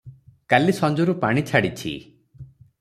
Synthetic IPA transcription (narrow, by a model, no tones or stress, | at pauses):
kalisɔnd͡ʒɔɾupaɽ̃it͡ʃʰaɽit͡ʃʰḭ